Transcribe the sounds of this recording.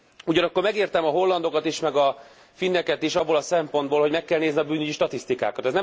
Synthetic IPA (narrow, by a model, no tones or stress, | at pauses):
uɟɒnɒkːo̞rmɛɡeːrt̪ɛmɒɦo̞lːɒnd̪o̞kɒt̪iʃmɛɡɒ | finːɛkɛt̪iʃɒbːolɒsɛmpo̞nd̪̚boːlho̞ɟmɛkːɛlneːzniɒbyːnyɟiʃt̪ɒt̪ist̪ika̰ːkɒt̪ɛznɛ